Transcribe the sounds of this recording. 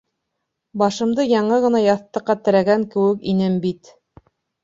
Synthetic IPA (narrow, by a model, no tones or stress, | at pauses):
bɑʃɤ̆md̪ɤjɑɴɤʁɤ̆nɑjɑθt̪ːɤ̆qːɑt̪ɘ̆ɾæɡæŋkɘ̆wɘkinɘmbit̪